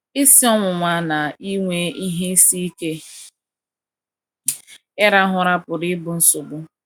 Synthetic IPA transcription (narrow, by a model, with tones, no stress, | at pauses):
ɪ˦si˦ɔ˦ŋʷʊ˨ŋʷa˦na˨i˦ŋʷe˦i˦ɦe˦si˦i˦ke˦ | ɪ˦ɾa˦ɦʊ˨ɾa˦pʊ˨ɾɪ˦bʊ˨n̩˦sʊ˨ɡ͡bʊ˦